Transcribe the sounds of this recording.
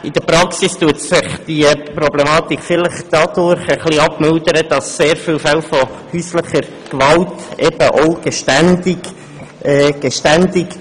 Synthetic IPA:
ɪd̥əɾpɾɑksistuətsɪχd̥ipɾoblemɑːt̪ikfɪlɪχd̥ɑd̥ʊɾχəχliːɑpmɪldəɾəd̥ɑsːeːɾfiːlfɛlfɔhyːsləχəɾ | kvɑltʔɛb̥əʔoʊɡ̥eʃtændɪɡ | ɛːɡ̥eʃtændɪk

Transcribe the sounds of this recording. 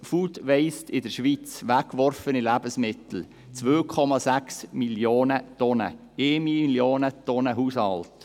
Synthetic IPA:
fuːt̪ʋɛɪstɪdəɾʃʋit͡sʋækːʋɔɾfənilæbəsmɪt̪l̩ | t͡sʋøːkʰɔmɑsæksmiljoːnət̪ɔnə̰ | eːmiljoːnət̪ɔnəɦushɑlt

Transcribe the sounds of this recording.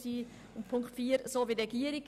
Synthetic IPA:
siː | ʊ̃mpʰʊŋkχtfiːəɾsoːʋiɾɛɡ̥iːəɾik

